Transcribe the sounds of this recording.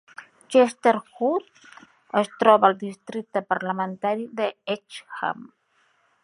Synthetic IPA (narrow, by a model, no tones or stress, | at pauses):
t͡ʃest̪eɾxut̪ | əst̪ɾɔβəlˠd̪ist̪ɾit̪əpəɾləmənt̪aɾiðəet͡ʃxa̰m